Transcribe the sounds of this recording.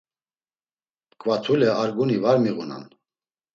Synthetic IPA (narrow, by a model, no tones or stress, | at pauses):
kʼvat͡sʰulɛaɾɡunivaɾmiɣuna̰n